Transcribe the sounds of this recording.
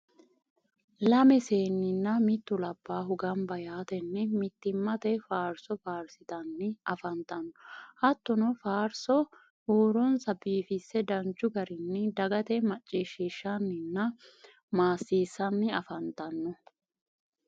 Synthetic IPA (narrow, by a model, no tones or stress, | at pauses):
lɐmɛseːnːɪnːɐmɪt̪ːʊlɐbːaːɦʊɡɐmbɐjaːt̪ɛnːɛmɪt̪ːɪmːɐt̪ɛfaːɾsɔfaːɾsɪt̪ɐnːɪɐfɐnt̪ɐnːɔhɐt̪ːʊnʊfaːɾsɔ | huːɾɔnsɐbiːfɪsːɛd̪ɐnt͡ʃːʊɡɐɾɪnːɪd̪ɐɡɐt̪ɛmɐt͡ʃʼːiːʃːiʃːɐnːɪnːɐ | maːsːiːsːɐnːɪɐfɐnt̪ɐnːɔ